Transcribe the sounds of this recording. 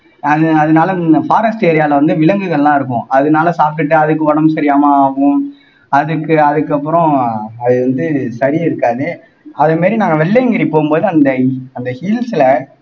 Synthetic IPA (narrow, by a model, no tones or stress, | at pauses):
ɐðɐðɯnaːlɐnɐfaːɾɐsʈeːɾɪjaːlɐʋɐnd̪ɯʋɪlɐŋɡɯɣɐɭːãːɪɾɯk̬ːʊ̃ʔɐðɯnaːlɐsaːpɪʈːɯɐðɯkːɯʋɐɽɐmsɐɾɪjaːmɐaːɣʊ̃ | ɐðɯkːɯɐðɯkːɐpːɯɾɔ̃ɐðɯʋɐnd̪ɯsɐɾiɪɾɯkːaːðɯ | ɐðɐmaːɾinaːŋɡɐʋɛɭːeŋɡɪɾipoːɣɯmboːðɯɐnd̪ɐɐnd̪ɐhiːlsɪlɐ